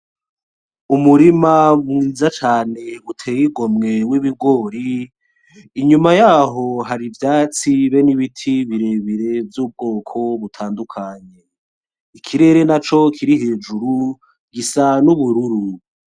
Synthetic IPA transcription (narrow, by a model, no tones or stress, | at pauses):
umuɾimamŋiːzat͡ʃaːne̞βutʰeːjiɡomŋe̞wiβiɡo̞ːɾiː | ɲumajaːɦo̞ɦaɾivjaːt͡siβe̞niβitʰiβiɾeβiɾe̞vjuːb̚ɡo̞ːkʰo̞βutʰaːndukʰaɲe̞ | ikʰiɾe̞ːɾe̞nat͡ʃo̞kʰiɾiɦe̞ːd͡ʒuɾu | ɡisanuβuɾuɾu